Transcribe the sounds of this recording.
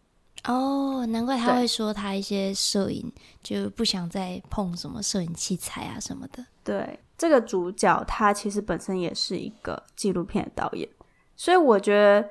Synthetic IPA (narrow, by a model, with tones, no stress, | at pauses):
ʔɔ˥˩na˧nkwa˥˩ɪt̪ʰa˥xwe˥˩ɪʂwɔ˥t̪ʰa˥i˥˩ɕjɛ˥ʂɤ˥˧ḭ˨˩nt͡ɕjo˥˧ʊ˥pu˥˩ɕjɑ˨˩ŋt͡sa˥˧ɪpʰɔ˥˩ŋʂə˧˦nmə̰˧ʂɤ˥˧i˨˩nt͡ɕʰi˥˩t͡sʰa˨˩ɪa̰˨ʂə˧˦nmə˧d̪̥ə˦t̪we˥˩ɪ | ʈ͡ʂɤ˥˩ɡə˩t͡su˧˥t͡ɕjɑ˨˩ʊt̪ʰa˥t͡ɕʰi˧˥ʂ̬ɻ̩˧˥pə˨˩nʂə˥njɛ˨˩ʂɻ̩˥˩ḭ˧˥ɡ̥ə̰˧t͡ɕi˥˧lu˥˧pʰjɛ˥nd̪ə˨˩t̪ɑ̰˥˩ʊjɛ̰˨˩˦n | swɔ˧˥i˧˥wɔ˨˩t͡ɕɥɛ˧˥d̪ə˧